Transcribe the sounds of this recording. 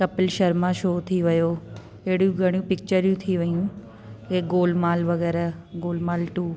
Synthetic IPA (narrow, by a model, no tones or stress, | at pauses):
kɐpɪlʃɐɾmãʃoːt̪ʰiʋɐjo | eːɽijũɡʱɐɽ̃jũpɪk̚t͡ɕəɾjũt̪ʰiʋəjũ | keɡoːlmaːlʋɐɡɛːɾaɡoːlmaːlʈuː